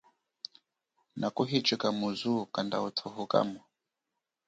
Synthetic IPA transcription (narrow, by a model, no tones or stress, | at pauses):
nʔakuɦit͡ʃʼikamuzukandaut̪ʰuhuka̰mu